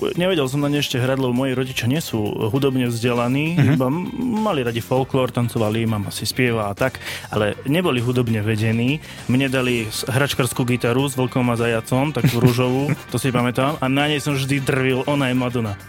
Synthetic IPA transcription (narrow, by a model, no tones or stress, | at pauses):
ɲɛʋɛɟɛlsɔmnaɲɛɛʃcɛɦɾaɟlɛbɔmɔjiɾɔɟit͡ʃɪjaɲɪɛsuːɦud̪ɔbɲɛvzɟɛlaniːibamaliɾaɟifɔlklɔːɾt̪ant͡sɔʋalimamasispɪɛʋaat̪akʔalɛɲɛbɔliɦud̪ɔbɲɛʋɛɟɛniː | mɲɛd̪aliɦɾat͡ʃkaɾskuːɡit̪aɾuzʋl̩kɔmazajat͡sɔmt̪akuɾuʒɔʋut̪ɔsi̥cɛpamɛt̪aːmanaɲɛjsɔmʒd̪id̪r̩ʋilʔɔnajɛmlad̪ɔna